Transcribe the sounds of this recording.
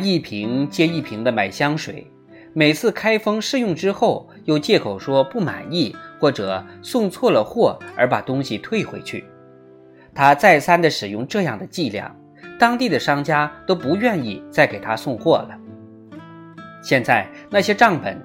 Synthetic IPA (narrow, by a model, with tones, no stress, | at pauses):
i˥˩pʰi˧˥ŋt͡ɕjɛ˥i˥˩pʰi˧˥ŋd̪ə˧ma˨˩ɪɕjɑ˥ŋʂwḛ˨˩˦ɪ | me˨˩ɪt͡sʰɹ̩˥˩kʰa˥ɪfɤ˥ŋʂɻ̩˥˧jʊ˥˧ŋʈ͡ʂɻ̩˥xo˥˩ʊ | jo˥˧ʊt͡ɕjɛ˥˩kʰo˨˩ʊʂwɔ˥pu˥˩ma̰˨˩ni˥˩xwɔ˥˩ʈ͡ʂɤ˨˩˦sʊ˥˧ŋt͡sʰwɔ˥˩lə˩xwɔ˥˩ə˞˧˥pa̰˨˩t̪ʊ˥ŋɕi˨t̪ʰwe˥˩ɪxwe˧˥ɪt͡ɕʰy̰˥˩ | t̪ʰa˥t͡sa˥˩ɪsa˥nd̪ə˨ʂɻ̩˨˩jʊ˥˧ŋʈ͡ʂɤ˥˧jɑ˥˩ŋd̪ə˩t͡ɕi˥˧ljɑ̰˥˩ŋ | t̪ɑ˥ŋt̪i˥˩d̪ə˩ʂɑ˥ŋt͡ɕja˥t̪o˥ʊpu˧˥ɥɛ˥˧ni˥˧t͡sa˥˩ɪke˨˩ɪt̪ʰa˥sʊ˥˧ŋxwɔ˥˩lə˩ | ɕjɛ˥˧nt͡sa˥˩˧ɪ | na˥˩ɕjɛ˥ʈ͡ʂɑ˥˩ŋpə̰˨˩n